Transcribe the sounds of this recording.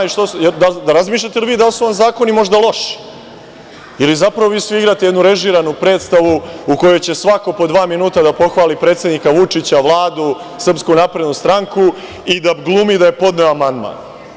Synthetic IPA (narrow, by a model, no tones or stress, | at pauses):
ʃt̪osjed̪ald̪aɾazmiːʃ̬ʎʲat̪eliʋiːd̪alsuonzaːko̞nimo̞ʒd̪alˠo̞ʃi̥ | ilizapɾaʋo̞ʋiːsʋiiɡɾat̪ejenuɾe̞ʒiːɾanupɾe̞ːt̪st̪aʋuuko̞jojt͡ɕe̞sʋako̞po̞d̪ʋaːminuːt̪ad̪apo̞xʋaːlipɾe̞ːt̪sʲe̞d̪nikaʋut͡ʂit͡ɕaʋlˠaːd̪u | sr̩pskunapɾe̞d̪nust̪ɾaŋku | id̪aɡlˠumid̪ajepo̞d̪neoamand̪ma̰ːn